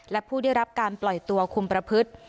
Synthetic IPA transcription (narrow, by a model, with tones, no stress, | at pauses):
lɛ˦˥pʰuː˥˩da˥˩jɾa˦˥p̚kaː˧nplɔ˨˩jt̪u˧ɐkʰu˧mpɾa˧pʰɯ˦˥t̪̚